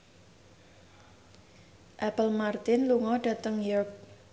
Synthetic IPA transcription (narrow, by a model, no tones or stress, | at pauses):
ʔɛpəlmart̪ɪnluŋɔɖ̥ä̤t̪əŋjɔrk̚